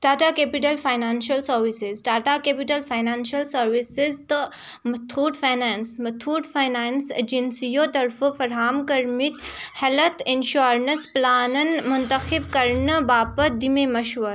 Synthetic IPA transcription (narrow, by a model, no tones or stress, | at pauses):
ʈaːʈakeːpiʈɐlfaːjnaːnʃɐlsɐɾʋisizɖaːʈakepiʈɐlfajnaːnʃɐlsɐɾʋisizt̪ə | mɐt̪ʰuːʈfajnaːnsmɐt̪ʰuːʈfaːjnaːnsd͡ʒinsijoːt̪ɐɾfɨfɐɾɦaːmkɐɾmit̪hɐlɐt̪ʰinʃuɾnɐsplaːnɐnmʊnt̪ɐxibkɐɾɳəbaːpəd̪imemɐʃʋɐɾ